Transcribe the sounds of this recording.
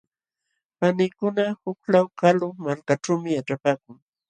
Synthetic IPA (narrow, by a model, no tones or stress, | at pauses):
panɪkʊnahʊklawkalʊmalkaʈ͡ʂawmɪjaʈ͡ʂapaːkʊŋ